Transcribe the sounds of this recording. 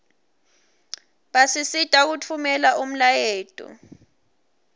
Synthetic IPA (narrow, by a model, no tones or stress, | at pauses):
ɓasisitʼak̬utʰumɛlaʔum̩lajeːtʼṵ